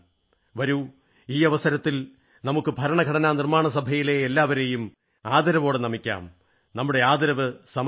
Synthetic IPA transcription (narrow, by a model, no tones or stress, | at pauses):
ʋɐɾu | iːɐʋɐsɐɾɐt̪ːil | nɐmukːɨbʱɐɾɐɳɐɡʱɐɽɐnaːnirmaːɳɐsɐbʱɐjile̞ːlːaːʋɐɾe̞jum | aːd̪ɐɾɐʋo̞ːɽenɐmikʲːa̰ːm | nɐmːuɽe̞aːd̪ɐɾɐʋɨsɐm